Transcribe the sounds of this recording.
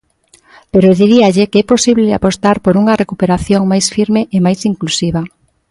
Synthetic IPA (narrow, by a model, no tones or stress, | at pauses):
peɾoðiɾiaʎɪkeɛposiβlea̰post̪aɾpoɾuŋɐrekupeɾaθjoŋmajsfiɾmeʔemajsiŋklusiβ̞ɐ